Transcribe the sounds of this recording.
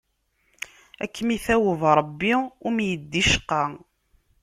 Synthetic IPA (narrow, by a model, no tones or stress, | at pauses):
ækːmiθæwəvɾˤəbːiʊmjəd̪ːiʃə̥qːɑ